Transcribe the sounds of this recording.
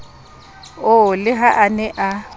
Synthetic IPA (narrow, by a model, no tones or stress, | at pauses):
ʊlɪɦaʔanɛʔa